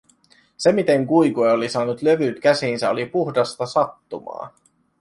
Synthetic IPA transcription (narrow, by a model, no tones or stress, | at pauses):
se̞mit̪e̞ŋkujkueolisɑːnut̪lø̞ʋyt̪k̟æsinsæo̞lipuxdɑst̪ɑsɑt̪ːumɑ̰ː